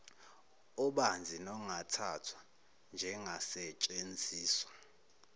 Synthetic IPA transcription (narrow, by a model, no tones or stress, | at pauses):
ɔɓand͡zʱinɔŋatʰatʰwa | nd͡ʒʱɛŋʱasɛt͡ʃʼend͡zʱiːswḁ